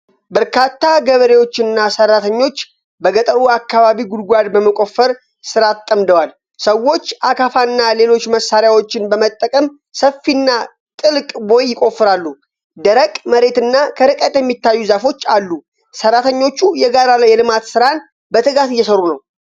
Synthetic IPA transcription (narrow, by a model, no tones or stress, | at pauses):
bəɾkʰat̪ːaɡəβəɾe̞wo̞t͡ʃːɨnːasərːat̪ʰəɲːo̞t͡ʃː | bəɡət̪ʼəɾuakːaβaβiɡud̪ɡʷad̪bəməkʼo̞fːəɾ | sɨɾat̪ʼːəmd̪əwal | səwːo̞t͡ʃːʔakʰafanːale̞lo̞t͡ʃːməsaɾjawot͡ʃːɪnbəmət̪ʼːəkʼəm | səfːinːa | t̪ʼɨlkʼbo̞jːɪkʼo̞fːɨɾalːu | d̪əɾəkʼməɾe̞t̪ɨnːakʰəɾɨkʼət̪ʼjɛmːit̪ʰːajːuzafo̞t͡ʃːalːu | sərːat̪ʰəɲːo̞t͡ʃːujɛɡaɾaljɛlɨmat̪sɨɾan | bət̪ʰɨɡat̪ɨjːɛsəɾunəw